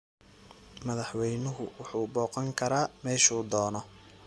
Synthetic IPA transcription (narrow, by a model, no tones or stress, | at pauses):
mɐðɑħwɛjnʊɦʊ̰wʊħuːbɔːqɐŋkʰɐɾaːmɛːʃuːd̪ɔːnɔ